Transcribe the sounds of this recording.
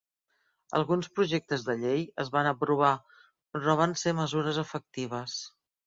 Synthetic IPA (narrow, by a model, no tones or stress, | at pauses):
ə̰lˠɣunspɾuʒek̚t̪əzðəʎejəzβanəpɾuβ̞a | pɾɔβ̞anseməzuɾəzəfək̚t̪iβ̞əs